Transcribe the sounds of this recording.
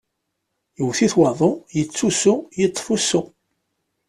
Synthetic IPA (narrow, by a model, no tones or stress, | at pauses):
jəwθiθwɑðˤojət͡sːusujət̪ˤːfusːu